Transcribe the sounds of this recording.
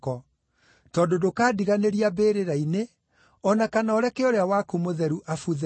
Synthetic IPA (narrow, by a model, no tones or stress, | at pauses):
kɔ | tɔːndodokaːdiɣaneɾiabeːɾeɾaine | ɔnakanaɔɾɛkeɔɾeawakumoðɛɾuʔafuð